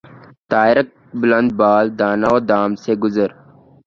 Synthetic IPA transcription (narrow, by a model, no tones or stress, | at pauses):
t̪aːjɾɐk̚ | bʊlɐnd̪̚baːld̪aːnaoːd̪aːmseɡʊzəɾ